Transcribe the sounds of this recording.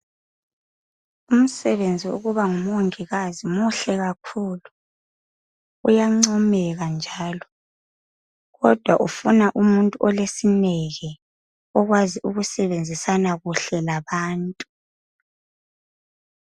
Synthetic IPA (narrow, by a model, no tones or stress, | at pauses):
um̩sɛβend͡zʱiṵɣuβaŋumoŋiɣazimuɬɛɣakʰulu | ṵjaŋ͡ǀɔmɛɣand͡ʒʱaːlɔ | ɣɔd̥ʱwaʔufunaʔumuntʼuʔɔlesinɛɣɛ | ɔɣwaziʔuɣusɛβend͡zʱisanaɣuɬɛlaβaːntʼu